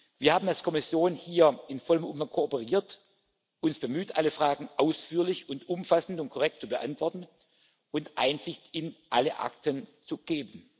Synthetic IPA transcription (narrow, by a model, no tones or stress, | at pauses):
v̥iːɐhaːbmn̩alskʰɔmɪsjoːnhiːɐʔɪnfɔləmʔʊmfaŋkʰoopəʁiːɐt | ʔʊnsb̥əmyːtʔaləfʁ̥aːɡŋ̩ʔaʊsfyːɐlɪçʊntʔʊmfasn̩tʊnt̚kʰɔʁɛk̚tt͡subəʔa̰ntv̥ɔɐtn̩ | ʔʊntʔa̰ɪnzɪçtɪnʔaləʔa̰k̚tənt͡suɡ̥eːbən̩